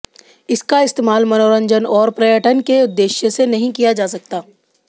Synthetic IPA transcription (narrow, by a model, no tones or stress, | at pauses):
ɪskaɪst̪eːmaːlmɐnoːɾə̃ɲd͡ʒənɔːɾpɾɐjəʈənkeʊd̪ːeːʃjəsenɐɦĩkijad͡ʒaːsɐk̚t̪aː